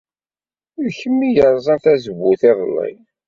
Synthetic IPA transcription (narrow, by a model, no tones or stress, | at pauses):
ʊɾçəmːijəɾˤzˤənθæzəβːuθɪðˤlːə̰j